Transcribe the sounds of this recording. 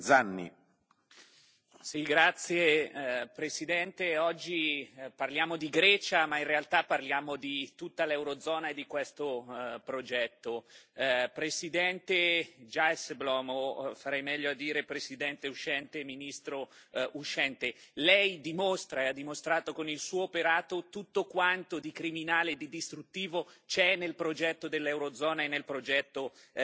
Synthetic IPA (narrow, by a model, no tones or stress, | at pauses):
d̪zanːḭ | siɡɾat̪sːjepɾesid̪ɛnt̪eɔd͡ʒːiparljaːmod̪iɡɾɛːt͡ʃamainrealt̪apːarljaːmod̪it̪ut̪ːalɛwɾod̪zɔːnaed̪ikwest̪opɾod͡ʒɛt̪ːo | pɾesid̪ɛnt̪ed͡ʒaesblɔːmofaɾɛjmɛʎːoad̪ːiːɾepɾesid̪ɛnt̪euʃɛnt̪eminist̪ɾouʃːɛnt̪elɛjd̪imost̪ɾaead̪ːimost̪ɾaːt̪okonilsuːoːpeɾaːt̪ot̪ut̪ːokwant̪od̪ikɾiminaːleːd̪id̪ist̪ɾut̪ːiːvot͡ʃɛnːelpɾod͡ʒɛt̪ːod̪elːɛwɾod̪zɔːnaenːelpɾod͡ʒɛt̪ːo